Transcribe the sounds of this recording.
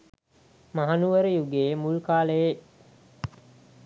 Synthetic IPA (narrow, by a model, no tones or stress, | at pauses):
maɦanuʋəɾəjuɡeːmulkaːləje